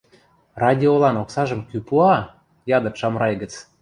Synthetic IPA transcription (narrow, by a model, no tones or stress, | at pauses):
rɑdʲiolɑnoksɑʒə̆mkypuɑ | jɑd̪ə̆kʃɑmrɑjɡə̆t͡s